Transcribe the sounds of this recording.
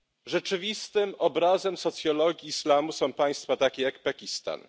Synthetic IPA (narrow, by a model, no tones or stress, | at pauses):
ʐɛt͡ʂɘvʲist̪ɘmɔbɾazɛmsɔt̪sʲjɔlɔɡʲiːslamusɔ̃w̃paj̃st̪fat̪akʲejakpakʲist̪a̰n